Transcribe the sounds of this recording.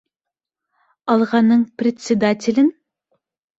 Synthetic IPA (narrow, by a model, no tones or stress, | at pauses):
ɑlˠʁɑnːɨŋpɾet̪ʲsʲed̪ɑt̪ʲʰilʲɪn